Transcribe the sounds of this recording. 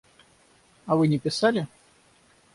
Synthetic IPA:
avɨnʲɪpʲɪsalʲɪ

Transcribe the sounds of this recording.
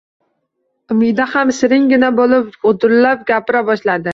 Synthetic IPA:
ʊmɪjd̪ahamsɪɾɪŋɡʲɪnabolˠɪpʊd̪ʊɾlap̚ɡʲapɪɾabɒʃlad̪ɪ

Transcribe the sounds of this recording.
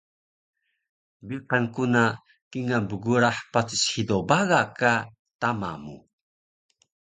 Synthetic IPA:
biqankuna | kiŋabəɡuɾaħpat͡si̥sħidobaɣaka | tama̰mṵ

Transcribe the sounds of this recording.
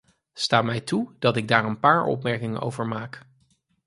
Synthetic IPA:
staːmɛjtud̥ɑtɪɡ̚daːɹənpaːɹɔ̰pmɛɹkɪŋə̰no̰wvəɹmaːk

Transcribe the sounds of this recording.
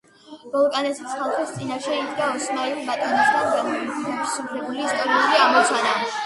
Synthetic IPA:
b̥ɔlˠkʼanɛt̪ʰi̥sχalˠχist̪sʼinaʃɛid̪ɡaɔsmailˠmat̪ʼɔnɛst̪ʰanɡanɛpʰisupʰɾɛbuliːst̪ʼɔɾiuliamɔt̪sʰana

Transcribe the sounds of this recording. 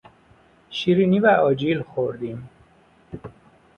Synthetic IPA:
ʃiɾinivæɒːd͡ʒiːlxoɾd̪im

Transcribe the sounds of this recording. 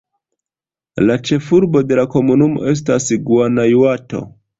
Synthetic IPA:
lat͡ʃe̞fuɾbo̞de̞lako̞munumo̞̰ʔe̞s̬tasiɡuanajuato̞̰

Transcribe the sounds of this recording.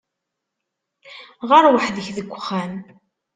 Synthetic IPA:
ʁəɾwəħðəçðəɡʷːχæn

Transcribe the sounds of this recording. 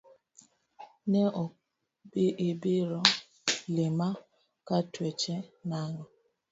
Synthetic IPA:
nɛʔɔ | beʔebeɾɔ | lema | katwɛt͡ʃɛnaŋa

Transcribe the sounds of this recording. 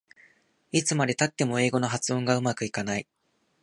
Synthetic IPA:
it͡sɨmad̪e̞t̪at̪ːe̞mo̞e̞ːɡo̞no̞ɦat͡sɨõ̞ŋɡaɯ̟makɯ̟ikanai

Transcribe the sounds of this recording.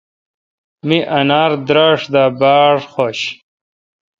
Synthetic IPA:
miʔɐnaːɾd̪ɾaːʂd̪aːbaːɽxoːɕ

